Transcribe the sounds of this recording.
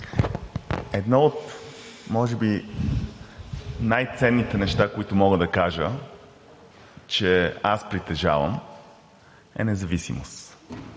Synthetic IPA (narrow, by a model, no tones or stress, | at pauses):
ɛd̪nɔot̪ | mɔʒɛbi | najt̪sɛnːit̪ɛnɛʃt̪akoit̪ʊmɔɡəd̪ɐkaʒə | t͡ʃɛaspɾit̪ɛʒa̰və̰m | ɛ̰nɛzɐvisḭmʊ̰s